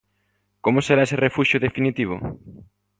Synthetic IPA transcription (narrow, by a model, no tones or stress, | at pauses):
komoseɾaeserefuʃjʊðefinit̪iβ̞ʊ̰